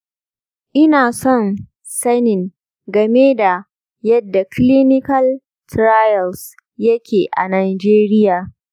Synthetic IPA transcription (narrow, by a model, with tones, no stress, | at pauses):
ʔɪ˦naː˨sɔ˦˨n | sɐ˦nɪ˨ŋ | ɡɐ˨meː˦da˨ | jɐ˦dːa˨kli˦nɪ˦kɐ˦l | tɾaː˦jɐ˨ls | jɐ˦kʲʰeː˨ʔa̰˨naː˨jd͡ʒeː˦ɾɪ˦jaː˨